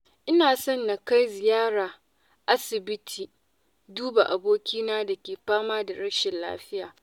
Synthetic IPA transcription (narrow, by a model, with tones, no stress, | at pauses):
ʔɪ˦naː˨sɔ˦˨nːa˨ka˦jzɪ˨jaː˦ɾaː˨ | ʔa˦sɪ˨bɪ˦tʰiː˨ | duː˦ba˨ʔa˨boː˦kʲiː˦naː˦da˨kʲeː˨ɸaː˦maː˦da˨ɾɐ˦ʃɪ˨nla̰ː˦ɸɪ˦jaː˨